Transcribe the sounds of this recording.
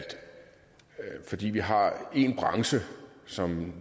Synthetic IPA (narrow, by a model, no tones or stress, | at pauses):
ld̥ | fɒ̽d̥ḭːʋiɦɑ̈e̝nb̥ʁɑ̈ŋsəsɒ̽m